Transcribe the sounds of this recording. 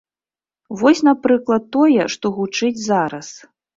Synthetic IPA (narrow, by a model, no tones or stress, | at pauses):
vɔsʲnapɾɨklˠɐt̪ːɔjɛʂt̪ɔɣut͡ʂɨd͡zʲzaɾɐs